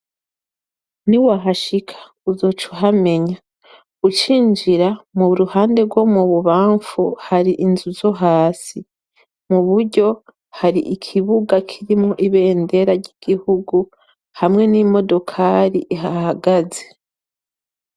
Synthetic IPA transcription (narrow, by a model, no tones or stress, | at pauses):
niwaɦaʃikʰḁ | uzo̞t͡ʃuɦame̞ɲa | ɡut͡ʃiːnd͡ʒiɾamuβuɾuhaːnde̞ɡwo̞muβuβaːɱfuhaɾiʔinzuzo̞ɦaːsi | muβuɾɟo̞ | haɾiʔikʰiβuɡakʰiɾimoʔiβe̞ːnde̞ɾaɾɟiɡ̥ihuɡu | hamŋe̞nimo̞do̞kʰaɾiʔiɦahaɡaze̞